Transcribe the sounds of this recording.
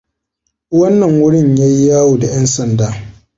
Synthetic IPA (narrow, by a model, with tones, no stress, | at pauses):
wɐ˦nːɐ˨ŋwʊ˦ɽɪ˦˨ɲja˦jːaː˦wu˨da˨jɐ˦nsɐ˨ndaː˦